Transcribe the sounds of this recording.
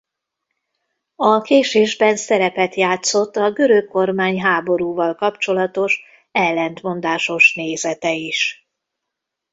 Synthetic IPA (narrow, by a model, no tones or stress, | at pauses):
ɒkeːʃeːʒbɛnsɛɾɛpɛt̪jaːt̪so̞t̪ːɒɡø̞ɾøkkːo̞rmaːɲɦaːbo̞ɾuːvɒlkɒpt͡ʃo̞lɒt̪o̞ʃ | ɛlːɛnt̪mo̞nd̪aːʃo̞ʃneːzɛt̪ɛiʃ